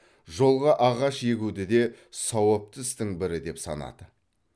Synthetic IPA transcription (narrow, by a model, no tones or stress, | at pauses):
ʒo̞lˠʁɑʔɑʁɑʃeɡʲud̪ɪd̪e̞ | sɑwəp̚t̪əst̪ɪŋbɪɾɪd̪e̞psɑ̰nɑ̰d̪̥ə